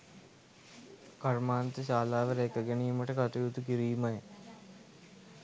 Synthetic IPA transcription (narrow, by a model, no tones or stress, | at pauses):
kɐrmaːnt̪əɕaːlaːʋəɾekəɡenijməʈəkɐt̪ujut̪ukiɾiːmɐjə